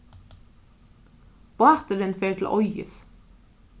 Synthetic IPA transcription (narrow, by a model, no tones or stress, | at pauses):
b̥ɑːt̪əɾənfeːt̪ʰl̩ʔɔʏə̰s